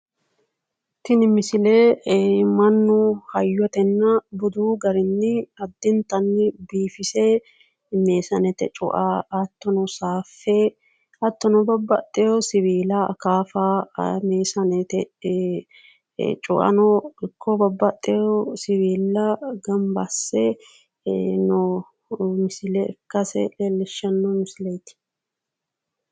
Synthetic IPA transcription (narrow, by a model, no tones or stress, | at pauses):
t̪ɪnɪmɪsɪleːmɐnːʊhɐjːɔt̪ɛnːɐbʊd̪uːɡɐɾɪnːɪɐd̪ːɪnt̪ɐnːɪbiːfɪse | me̞ːsɐnɛt̪ɛ̰t͡ʃʼʊ̰ʔaːɐt̪ːɔnɔsaːfːe | ɐt̪ːɔnɔbɐbːɐt̪ʼːɛjɔsɪβiːlɐkaːfameːsɐnɛt̪ɛ | t͡ʃʼʊ̰ʔɐ̰nɔɪkːɔbɐbːɐt̪ʼːɛjɔsɪβiːlːɐɡɐmbɐsːɛ | nɔ | mɪsɪlɛkːɐsɛ̰lɛlɛʃːɐnːɔmɪsɪlɛjt̪ɪ̥